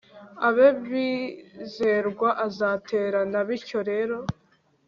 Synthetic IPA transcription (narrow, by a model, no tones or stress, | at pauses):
aβeβize̞ɾɡwaʔazatʰe̞ːɾanaβiɾco̞ɾe̞ɾo̞